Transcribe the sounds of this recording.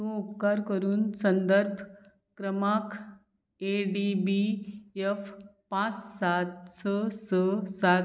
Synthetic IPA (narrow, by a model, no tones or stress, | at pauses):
t̪ũupkaɾkəɾuːnsənd̪əɾbʱ | kɾəmak | eɖibiefpãt͡ssat̪̚səsəsa